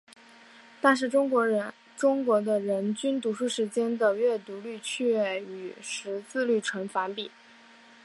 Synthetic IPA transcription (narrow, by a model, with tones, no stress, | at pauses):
t̪a˥˧nʂ̬ɻ̩˥˩ʈ͡ʂʊ˥ŋkwɔ˧˥ɻə˧˥ | ʈ͡ʂʊ˥ŋkwɔ˧˥d̪ə˧ɻə˧˥nt͡ɕy˥nt̪u˧˥ʂu˥˩ʂɻ̩˧˥t͡ɕjɛ˥nd̪ə˨ɥɛ˥˩t̪u˧˥ly˥˧t͡ɕʰy˥˧ɥɛ˥˩y˨˩ʂɻ̩˧˥t͡sɹ̩˥˧ly˥˩ʈ͡ʂʰwə˧˥nfa˧˥npi˨˩˦